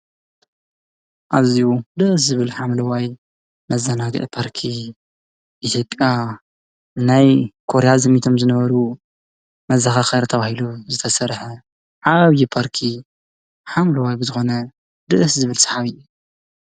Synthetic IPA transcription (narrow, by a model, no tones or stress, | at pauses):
ʔaβziud̪ɨʔs̬zɨβɨlħamlɐwaj | mɐzɐnaɡɨ̰ʔpʰaɾkʰi | ʔit̪ʰjo̞pʼːja | ɨnajkʰo̞ɾejazɨmit̪ʰo̞mzɨnɐβɐɾu | mɐzaxaxɐɾt̪ʰɐβahiluzɨt̪ʰɐsɐɾħɐ | ʕaβjipʰaɾkʰi | ħamlɐwajbɨzɨxo̞nɐ | d̪ɨʔɨszɨβɨlsɐ̥ħaβɨjːu